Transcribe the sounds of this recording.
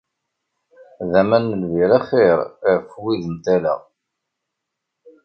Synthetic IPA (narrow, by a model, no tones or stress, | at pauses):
ðæmænːəlviɾæχeɾɾfwiðənt̪ælə̰ʁ